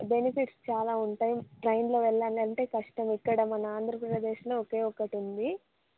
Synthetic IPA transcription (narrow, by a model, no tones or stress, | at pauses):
benipiʈst͡ʃaːlaːuɳʈaːjiʈɾɐjnloːʋɛɭːaːnlɐɳʈe̞ːkɐʂʈɐmikːɐɽɐmɐnɐaːnd̪ʱɾɐppɾɐd̪e̞ːʃlo̞ːɔke̞ːɔkːɐʈind̪i